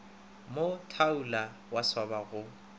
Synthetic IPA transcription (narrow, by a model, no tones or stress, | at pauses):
motʰaula | waswabaɣʊ